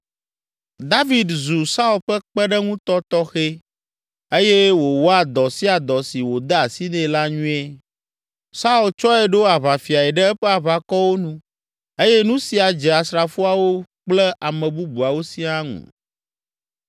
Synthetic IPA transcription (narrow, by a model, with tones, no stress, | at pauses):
d̪a˦vi˨d̪zu˨sa˦u˨lɸɛ˦k͡pɛ˦ɖɛ˦ŋũ˦t̪ɔ˦t̪ɔ˦xe˦ | e˦je˦wo˨wo˦a˨d̪ɔ˨si˦a˨d̪ɔ˨si˨wo˨d̪ɛ˦a˨si˦nɛ̃˦la˦ɲũ˦e˦ | sa˦u˨lt͡ʃɔ˦ɛ˨ɖo˦a˨βa˨fi˨a˨ɛ˨ɖɛ˦ɛ˦ɸɛ˦a˨βa˨kɔ˦wo˦nũ˦ | e˦jɛ˦nũ˦si˨a˨d͡ʒɛ˨a˨sɾa˨fu˦a˨wo˦k͡plɛ˦ʔa˨mɛ̃˨bu˦bu˨a˨wo˦si˦a˦ŋṵ̃˨